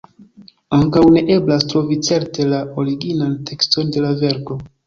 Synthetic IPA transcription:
aŋkawne̞ʔe̞blastɾo̞vit͡se̞ɾte̞lao̞ɾiɡinantʰe̞ksto̞nde̞lave̞ɾko̞

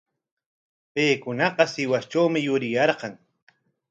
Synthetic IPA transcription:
pejkʊnɑqɑsɪwast͡ʃawmɪjʊɾɪjɑɾɢɑŋ

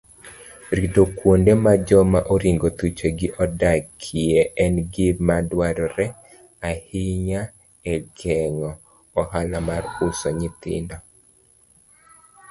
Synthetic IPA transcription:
ɾidokwondemad͡ʒɔmaʔoɾiŋɡot̪ut͡ʃeɡɪʔɔdakʰieʔɛnɡɪmadwaɾɔɾɛ | ahiɲa | ɛɡʰɛŋɔː | ɦalamarusɔɲɪt̪ɪ̰ndɔ

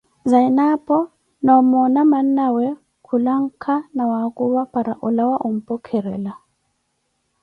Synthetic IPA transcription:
zainapʼɔ | nɔmɔnaman̩nawɛ | kʰulaŋ̩kʰanawakʼuβapʼaɾaʔulawaʔum̩pʼɔkʰɛɾɛla

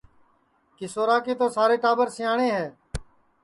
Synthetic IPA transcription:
kɪsoːɾaːkeːt̪oːsaːɾeːʈaːbəɾsɪjãːɳeːɦɛː

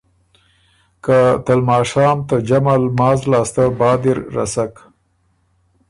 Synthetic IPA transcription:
kat̪almɑːʂɑːmt̪ad͡ʒamalmɑːzlɑːst̪abɑːd̪iɾːa̰sak

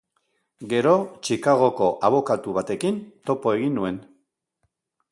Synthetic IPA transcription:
ɡe̞ɾo̞t͡ʃikaɣ̞o̞ko̞ʔaβ̞o̞kat̪uβat̪e̞kint̪o̞po̞e̞ɣinːue̞n

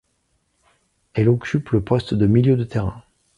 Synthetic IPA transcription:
ɛlɔkʲypləpɔst̪d̪əmiljød̪ət̪eʁɛ̃

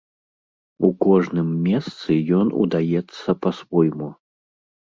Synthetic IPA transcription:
ukɔʐnɨmːʲɛst̪sɨjɔnṵd̪ajɛt̪sːɐpɐsvɔjmu

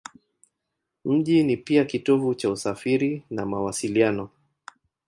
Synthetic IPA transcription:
m̩ʄinipiakitɔvut͡ʃausafiɾinamawasilianɔ

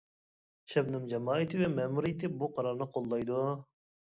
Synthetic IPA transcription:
ʃɛbnɨmd͡ʒɛmɑːit̪ʰɨvɛmɛmuɾijt̪ʰɪbuqʰɑɾɑɾnɨqʰolˠːɑjd̪u

